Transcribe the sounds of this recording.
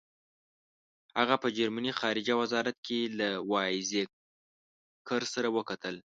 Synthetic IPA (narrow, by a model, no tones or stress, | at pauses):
haɣapəd͡ʒaɾmanixɑɾɪd͡ʒawazɑɾat̪̚kʰelawɑɪze | kəɾsaɾawəkat̪ʰəl